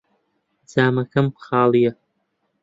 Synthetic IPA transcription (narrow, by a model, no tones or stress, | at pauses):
d͡zaːmakʰɐmpχaːlja